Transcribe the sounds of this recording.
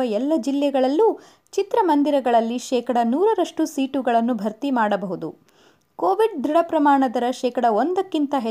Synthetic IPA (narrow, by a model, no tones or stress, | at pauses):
ɐɛlːɐd͡ʒilːɛɡɐɭɐlːu | t͡ʃit̪ɾɐmɐnd̪iɾɐɡɐɭɐlːiʃɛːkɐɽɐnuːɾɐɾɐʂʈusiːʈuɡɐɭɐnːubʱɐɾt̪imaːɽɐbɐɦud̪ṵ | koːʋiɖd̪ɾiɽɐpɾɐmaːɳɐd̪ɐɾɐʃɛːkɐɽɐond̪ɐkːint̪ɐɦe